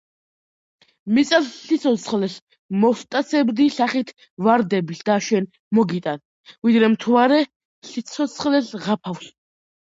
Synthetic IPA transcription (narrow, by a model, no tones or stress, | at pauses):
mit̪sʼasːit̪sʰɔsχlɛs | mɔst̪ʼat̪sʰɛbd̪isaχit̪ʰ | vaɾd̪ɛbiɬd̪aʃɛn | mɔɡit̪ʼan | vid̪ɾɛmt̪ʰvaɾɛ | ɬit̪sʰɔsʰχlɛsʁapʰafs